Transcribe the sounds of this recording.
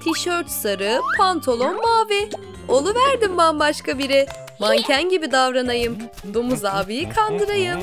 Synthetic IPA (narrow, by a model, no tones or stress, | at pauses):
t̪ʰiʃøɾt͡ʃsaɾɯpʰant̪ʰolˠo̞nmaːvɛ | o̞lˠuvæɾd̪imbanbaʃkabiɾɛ | mancʰænɟibid̪avɾanajɯm | d̪umuzaːbijikʰand̪ɯɾajɯm